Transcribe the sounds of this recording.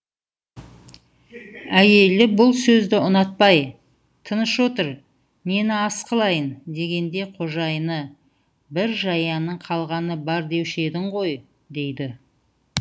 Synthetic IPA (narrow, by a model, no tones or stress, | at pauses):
æje̞lɪbʊlˠsɵzd̪ɪʊnɑt̪̚pɑj | t̪ʰənəʃwo̞t̪əɾ | me̞nɪɑsqəlˠɑjənd̪e̞ɡʲe̞nd̪e̞qʰo̞ʒɑjnə | bɪɾʒɑjɑnəɴqʰɑlˠʁɑnəbɑɾd̪e̞wʃe̞d̪ɪɴʁo̞j | d̪e̞jd̪ɪ